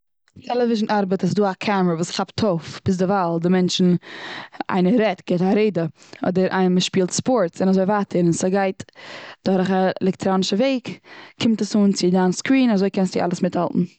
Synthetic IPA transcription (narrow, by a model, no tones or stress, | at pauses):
tʰɛlˠəvɪʒn̩ʔaɾbətas̬duːakʰamɾəvuːsχaptʰofb̥ɪs̬dɪvalˠdɪmɛnt͡ʃn̩ | ʔa̰ɪnəɾɛtɡ̥ɛɪtaɾeɪdə | ɔ̰dəɾʔa̰ɪnəməʃpiːlˠtspɔɾtsɪnazoɪvaːtʰəɾnsaɡaɪtd̥ɔɾχaɛ̰lɛk̚tɾoːnɪʃəveɪkkʰɪmtəsuːnt͡sɪdanskɾiːnazoɪkɛnstɪʔa̰lˠəsmɪthalˠtn̩